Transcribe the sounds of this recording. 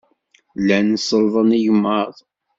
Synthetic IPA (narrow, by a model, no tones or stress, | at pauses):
lænəsːəlðˤənijəmːəðˤ